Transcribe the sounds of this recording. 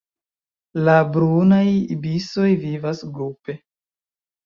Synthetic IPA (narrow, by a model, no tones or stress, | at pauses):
labɾunajbiso̞jvivasɡɾupe̞